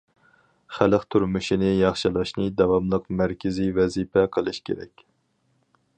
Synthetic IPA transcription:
χæləqt̪ʰuɾmuʃinɪjɑχʃilˠɑʃnɨd̪ɛwɑmlˠəqmæɾkʲʰɪzivɛzipʰɛqʰəlˠɨʃkʲʰḛɾɛ̰kʲ

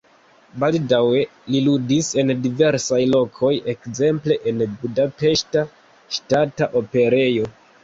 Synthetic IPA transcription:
baldawe̞liludise̞ndive̞ɾsajlo̞kʰo̞je̞kze̞mple̞ʔenbudape̞ʃta | ʃtataʔo̞pe̞ɾe̞jo̞

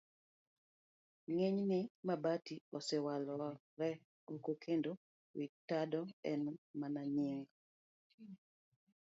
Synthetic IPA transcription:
ŋeɲnɪmabatiosewalɔ | ɾɛ | okokʰendo | witadɔɛnmanaɲɪŋ

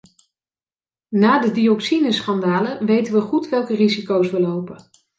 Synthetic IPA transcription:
naːdədiɔksinəsχɑndaːləʋejtənʋəχutʋɛlˠkərizikowsʋəlowpə

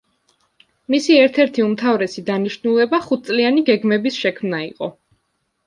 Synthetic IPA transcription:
misiɛɾt̪ʰɛɾt̪ʰiumt̪ʰavɾɛsid̪aniʃnulˠɛbaχut̪̚ʰt̪sʼlianiɡɛɡmɛbisʃɛkʰmnaḭqʼɔ̰

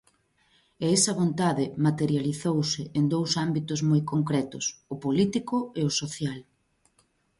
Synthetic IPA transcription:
eɛsɐβont̪aðɪmat̪eɾjaliθowsɪʔend̪owsambit̪ʊzmojkoŋkɾɛt̪ʊsʊpolit̪ikʊeʊsoθjal

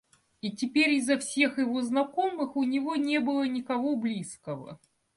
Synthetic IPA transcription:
itʲɪpʲeɾʲɪzːɐfsʲe̞xjɪvoznɐkomɨxʊnʲɪvo̞nʲe̞bɨlˠənʲɪkɐvoblʲiskəvə̰

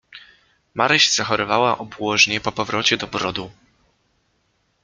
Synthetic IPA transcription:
maɾɛɕz̥axɔɾɔvawaʔɔbwɔʐɲɛpɔpɔvɾɔt͡ɕɛd̪ɔbɾɔd̪u

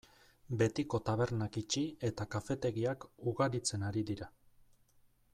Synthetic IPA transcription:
be̞t̪iko̞t̪aβ̞e̞ɾnakit͡ʃie̞t̪akafe̞t̪e̞ɣiakuɣaɾit͡se̞naɾiðiɾa

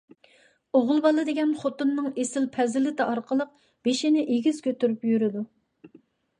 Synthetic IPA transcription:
oʁʊlˠbɑlˠɨd̪eɡʲɛnχot̪umnɨŋesɪlpʰɛzɪlɪt̪ɪʔɑɾqʰəlˠəq̚ | b̥eʃinɪʔeɡʲizkʲʰøt̪yɾypjyɾɪd̪u

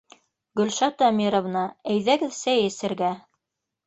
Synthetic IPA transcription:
ɡɵ̆lʃɑt̪ɑmʲiɾŏvnɤæjðæɡɘðsæjɘ̆sɘ̆ɾɡæ

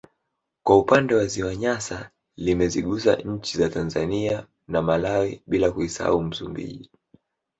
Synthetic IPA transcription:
kwaupandɛwaziwaɲasa | limɛziɠusa̰ɲ̩t͡ʃizatanzania | namalawiɓilakuisa̰um̩sumbḭʄi

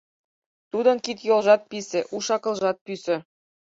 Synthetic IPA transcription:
t̪ud̪ɤ̆nkit̪jolˠʒɑt̪̚pisɘ̆ʔuʃɑkɤ̆lˠʒɑt̪̚pysɘ̆

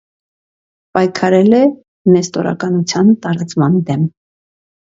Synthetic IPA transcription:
pɑjkʰɑɾɛlɛ | mɛst̪ɔ̰ɾɑ̰kɑnut͡sʰjɑnt̪ɑɾɑt͡smɑnd̪ɛm

